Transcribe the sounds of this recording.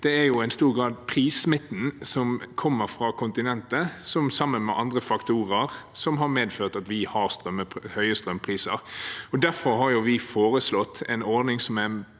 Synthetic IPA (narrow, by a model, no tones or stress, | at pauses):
d̪̥ɛæɾjʊɛɪnst̪uːɾɡɾɑːd̪̚pʰɾiːsmɪt̪n̩sɔmkʰɔmːəɾfɾɑkʰʊnt̪ɪnɛnt̪əsɔmsɑmːənmɛ̰ʔɑnd̪ʁəfɑkt̪uːɾəɾsɔmɦɑɾmeːd̪føːʁt̪ɑt̪ʋɪhɑʁst̪ʁœmːəhœʏəst̪ɾœmːpʰɾiːsəɾɔd̪æɾfɔɾɦɑɾjʊʋɪfoːɾəslɔt̪ːɛ̰ɪnɔɾd̪nɪŋsɔmæ